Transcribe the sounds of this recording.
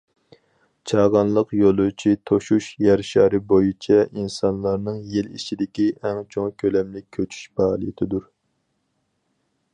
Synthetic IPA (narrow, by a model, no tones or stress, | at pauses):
t͡ʃʰɑːʁɑnlˠəqjolˠut͡ʃʰit̪ʰoʃuʃjɛɾʃɑːɾɨbojit͡ʃʰɛinsɑnlˠɑɾnɨŋjelit͡ʃʰid̪ɪkʲiʔɛŋt͡ʃʰoŋkʲʰølɛmlɪkʲʰːøt͡ʃʰy̥ʃbɑːlˠɨjɪt̪ʰɪd̪uɾ